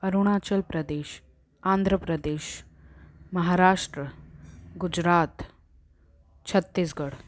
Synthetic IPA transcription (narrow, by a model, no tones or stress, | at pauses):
ɐɾuɽ̃aːt͡ʃəlpɾɐd̪eːʃ | ãːnd̪ʱɾəpɾəd̪eːʃ | mɐɦaːɾaːʂʈɾəɡud͡ʑɾaːt̪ | t͡ɕʰɐt̪ːisɡəɽ